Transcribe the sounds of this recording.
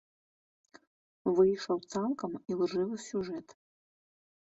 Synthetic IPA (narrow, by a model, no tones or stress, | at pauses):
vɨjʂɐwt̪salˠkɐmilˠʐɨvɨsʲuʐɛt̪